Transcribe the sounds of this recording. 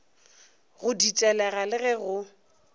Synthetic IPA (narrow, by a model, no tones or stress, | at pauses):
ɣʊdit͡ʃʼɛlɛɣalɪɣɛɣʊ